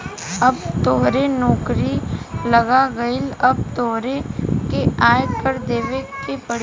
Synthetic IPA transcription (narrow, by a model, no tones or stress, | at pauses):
ɐbt̪oːɦɾenɔːkɾilɐɡaɡəɪlɐb̚t̪oːɦɾekeaːjkəɾd̪eːʋekepəɽ